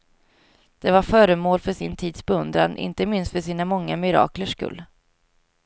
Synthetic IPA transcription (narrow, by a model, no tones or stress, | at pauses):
d̪̥ɛvaɾfœːɾəmoːlfœʂɪnt̪ʰiːd̪sbɛɵnd̪ɾa̰nʔɪ̰nt̪əmɪnst̪fœʂiːnamɔŋːamɪɾɑ̰ːkləʂkɵ̰lː